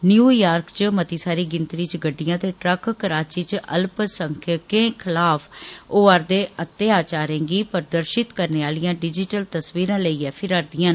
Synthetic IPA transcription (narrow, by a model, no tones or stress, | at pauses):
njuːjaːɾkt͡ʃmət̪iːsaːɾiːɡɪnt̪ɾiːt͡ʃɡəɖːɪjãːt̪eːʈɾəkkəɾaːt͡ʃiːt͡ʃʔəlpsəŋkʰəkẽːkʰɪlaːpʰoːəɾd̪eːət̪ːeaːt͡ʃaːɾẽːɡiːpəɾd̪əɾʃɪt̪kəɾneːaːlijãːɖɪd͡ʒɪʈəlt̪əsʋiːɾãːləiːɛːpʰɪɾəɾd̪ɪjãː